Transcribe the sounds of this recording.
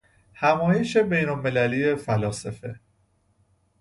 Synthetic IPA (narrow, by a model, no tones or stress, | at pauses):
hæmɒːje̞ʃe̞be̞jnolmelæliːje̞fælɒːsefe̞